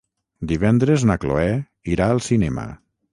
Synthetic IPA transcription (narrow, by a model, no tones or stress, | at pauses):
d̪iβɛnd̪ɾeznaklo̰ɛ | iɾaəlˠsinɛmə̰